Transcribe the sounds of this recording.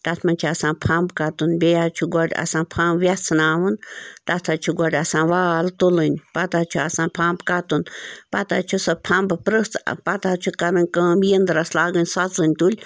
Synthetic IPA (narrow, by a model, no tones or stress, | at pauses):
t̪at̪ʰmant͡ʃʰiasanpʰambkat̪unbeat͡ʃʰuɡʷaɾʲa̰sanpʰambʋjat͡sʰnaːwɨnt̪at̪ʰat͡ʃʰuɡʷaɾʲasanʋaːlt̪ulɨnʲpat̪at͡ʃʰuasãnpʰambkat̪unpat̪at͡ʃʰusapʰambpɾɨt͡spat̪at͡ʃʰukaɾɨnkə̃bjend̪ɾaslaɡɨnʲsat͡sɨnʲt̪ulʲ